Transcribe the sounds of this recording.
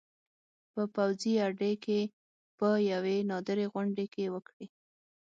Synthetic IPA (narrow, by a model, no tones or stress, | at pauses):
pəpawziaɖeke | pəjawenɑd̪əɾeɣʊɳɖekewəkɽi